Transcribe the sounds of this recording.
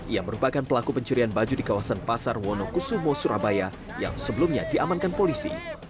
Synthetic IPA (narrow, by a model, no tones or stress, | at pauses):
iaməɾupakanpəlakupəɲt͡ʃuɾianbad͡ʒudikawasanpasarwɔnokusumosuɾʔabaja | ja̰ŋsəbəlumɲa̰diʔamankanpolisḭ